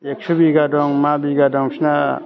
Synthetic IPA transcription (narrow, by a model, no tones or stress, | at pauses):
eksubiɡadɔŋmabiɡadɔŋsna